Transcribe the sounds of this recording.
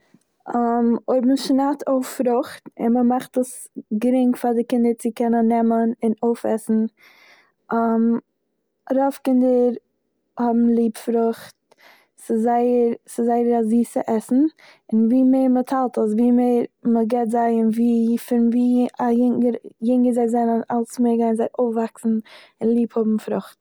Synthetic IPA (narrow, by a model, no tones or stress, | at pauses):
amoɪbm̩ʃnatʰoʊffɾʊχtɪ̰nməmaχtəs | ɡɾɪŋfadɪkɪndəɾt͡sɪkɛnənːɛmənɪnoʊfɛ̰sn̩ | am | ɾɔfkɪndəɾ | hɔbm̩lˠiːpfɾʊχt̚ | sɪzaɪəɾsɪzaɪəɾaziːsɪ̰ʔɛsn̩ | ɪnviːmeɪɾmətʰalˠtəsviːmeɪɾməɡɛtzaɪɪnviːfɪɾnviːajɪŋəɾjɪŋɡəzaɪzɛɪnəna̰lˠsmeɪɾɡaɪnzaɪʔoʊfvaksn̩ | ɪnlˠiːphɔbm̩fɾʊχt